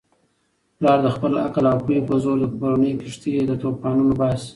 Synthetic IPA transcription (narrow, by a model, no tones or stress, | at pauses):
plɑɾd̪əxpəla̰kalɑpujipəzoɾd̪əkoɾanəjkɪʂt̪id̪ət̪opɑnunobɑs